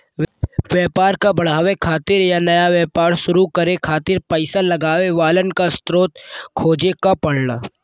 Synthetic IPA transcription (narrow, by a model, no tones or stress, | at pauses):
ʋjɛːpaːɾkabɐɽ̤aːʋekʰaːt̪ɪɾjanɐjaʋjɛːpaːɾʃʊɾukɐɾekʰaːt̪ɪɾpəɪsalɐɡaːʋeʋaːlənkast̪ɾoːt̪̚kʰoːd͡ʒekapɐɽ̤laː